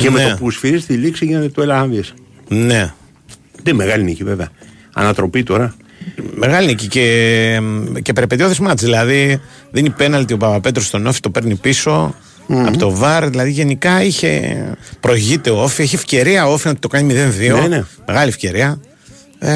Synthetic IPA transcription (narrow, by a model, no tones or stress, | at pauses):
cenmeopusfiɾist̪iliksiʝinet̪et̪uelɐɐnðies | ne̞ | d̪emeɣɐliniciveveɐ | ɐ̰nɐt̪ɾo̞pit̪o̞ɾɐ | me̞ɣɐlinicice̞ | cepeɾepet̪ioθezmɐt̪zðilɐði | ðenipe̞nɐlt̪iopɐpɐpe̞t̪ɾo̞st̪o̞no̞fi̥t̪o̞pe̞ɾnipiso̞ | ɐ̰ot̪o̞vɐɾðilɐðiʝe̞nikɐiçe̞̰pɾo̞ʝit̪e̞ofieçie̞fce̞ɾiɐo̞finot̪i̥t̪o̞kɐnimiðe̞nðioneme̞ɣɐliefce̞ɾiɐ